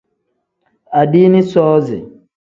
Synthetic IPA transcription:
a˨di˦ni˦sɔː˦zḭ˨

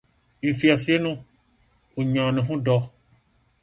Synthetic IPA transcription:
ŋ̩̃˨fi˨a˨si˨˦e˦nũ˦ | o˨ɲã˨nɛ̃˨ɦũ˦ɖɔ˦

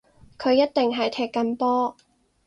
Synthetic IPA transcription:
kʰɵ˨˧ɥjɐ˥t̚t̪e˨ŋɦɐ˨jt̪ʰɛː˧˩kːɐ˧˥npɔː˥

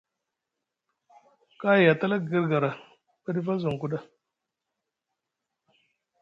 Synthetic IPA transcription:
ka˦ji˨ja˨ta˦la˦ɡə˦ɾɡa˨ɾa˨ | bə˦di˦va˦zo˨ŋ˨ku˦ɗa˦

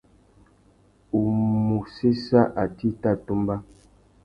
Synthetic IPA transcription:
u˨mu˨se˦sa˦ʔa˨ti˦ta˦˨tu˦mba˦

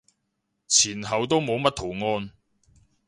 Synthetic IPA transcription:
t͡sʰiː˨˩nhɐ˨wt̪̬o˥wmo˨˧wmɐ˥t̚t̪ʰo˨˩wŋɔː˧˥n

